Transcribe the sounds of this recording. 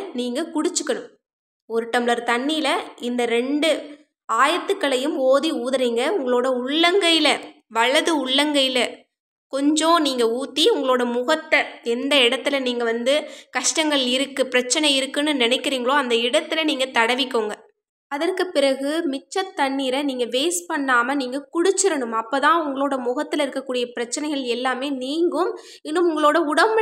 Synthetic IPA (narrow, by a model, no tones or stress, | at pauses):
niːŋɡɐkʊɽɪt͡ʃːɯkːɐɽɯm | ɔɾɯʈːɐmlɐɾt̪ɐɳːijɪlɐɪnd̪ɐɾɛɳɖɯ | aːjɐt̪ːɯkːɐɭɐjɯmoːðiuːðɐɾiːŋɡɐʊŋɡɐɭoːɽɐʊɭːɐŋɡɐjɪlɐ | ʋɐɭɐðɯʊɭːɐŋɡɐjɪlɐ | kɔɲd͡ʒõːniːŋɡɐuːt̪ːiʊŋɡɐɭoːɽɐmʊɣɐʈːɐɛnd̪ɐɪɽɐt̪ːɯlɐniːŋɡɐʋɐnd̪ɯkɐʂʈɐŋɡɐɭɪɾɯkːɯpɪɾɐt͡ʃːɐnɐɪɾɯkːɯnːɯnɪnɐɪkːɪɾiːŋɡɐɭoːɐnd̪ɐɪɽɐt̪ːɯɪlɐniːŋɡɐt̪ɐɽɐʋɪkːoːŋɡɐ | ɐðɐrkɯpːɪɾɐɣɯmɪt͡ʃːɐt̪ːɐɳːiɾɐniːŋɡɐʋeːspɐɳːaːmɐniːŋɡɐkʊɽʊt͡ʃːɪɾɐɳɯmɐpːoːt̪ãːʊŋɡɐɭoːɽɐmʊɣɐt̪ːɪlɐɪɾɯkːɐkːuːɽɪjɐpɪɾɐt͡ʃːɐnɐɪɣɐɭɛlːaːmeːniːŋɡɯm | ɪnːɯmʊŋɡɐɭoːɽɐʊɽɐmɐ